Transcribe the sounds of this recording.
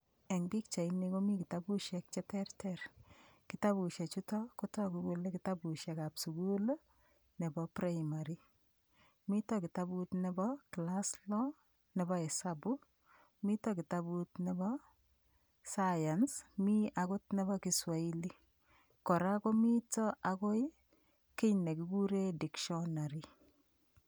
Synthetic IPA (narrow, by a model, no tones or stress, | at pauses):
ɛŋbik̚t͡ʃainikomikitabuʃjɛk̚t͡ʃɛtɛrtɛrkitabuʃɛt͡ʃutɔkotɔkuɡulekitabuʃjɛkapsuɡulo | nɛbɔpɾajmaɾi | mitɔkitabutnɛbɔklaslɔ | nebɔɛsabu | mitɔkitabutnebɔ | sajansmiakotnɛbɔkiswaili | kɔɾakomitɔakoj | kiɲnekukuɾedikʃɔnaɾi